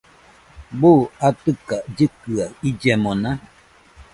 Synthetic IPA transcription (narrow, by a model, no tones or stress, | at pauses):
buat̪ɨkad͡ʒɨkɯaid͡ʒɛmonã